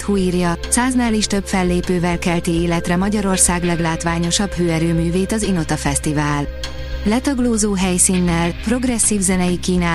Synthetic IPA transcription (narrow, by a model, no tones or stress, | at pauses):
t̪huiːrjɒsaːznaːliʃt̪ø̞bfɛlːeːpøːvɛlkɛlt̪ieːlɛt̪rɛmɒɟɒɾo̞rsaːɡlɛɡlaːt̪ʋaːɲo̞ʃɒbhøːɛɾøːmyːveːt̪ɒzino̞t̪ɒfɛst̪ivaːl | lɛt̪ɒɡloːzoːɦɛjsiːnːɛlpro̞ɡrɛsːiːvzɛnɛjikiːnaː